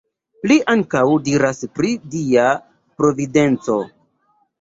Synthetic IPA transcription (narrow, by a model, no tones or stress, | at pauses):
liʔaŋkawdiɾaspɾidia | pɾo̞vide̞nt͡so̞̰